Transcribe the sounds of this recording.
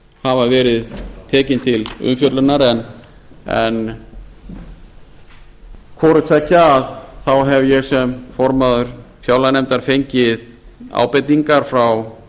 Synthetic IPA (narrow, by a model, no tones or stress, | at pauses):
havaɾvɛːɾɪðt̪ʰɛːcɪnt̪ʰɪlʏ̰mfjœt̪lʏnaɾɛn | ɛ̰n | kʰɔːɾʏt̪ʰɛcːaaðθawɦɛvjɛɣsɛmfɔɾmaðʏɾ̥fjaːwlanɛmt̪aɾ̥fejɲcɪð | a̰wpɪt̪iŋkaɾ̥fɾaw